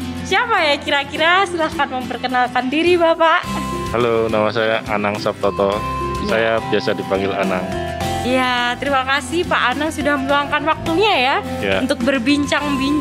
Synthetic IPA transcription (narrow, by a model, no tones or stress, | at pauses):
siapajakiɾakiɾasəlahkanməmpərkənalkandiɾibapaʔhalonamasajaʔanaŋsap̚t̪ɔt̪ɔsajabiasadipaŋɡɪla̰naŋijat̪əɾimakasɪhpaʔanaŋsudahməluaŋkanwak̚t̪uɲajajaunt̪ʊk̚bərbiɲt͡ʃaŋbiɲ